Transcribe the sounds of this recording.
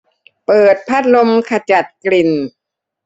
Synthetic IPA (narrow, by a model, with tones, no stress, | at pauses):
pɤː˨˩t̪̚pʰa˦˥˩t̪̚lo˧mkʰa˧t͡ɕa˨˩t̪̚kli˨˩n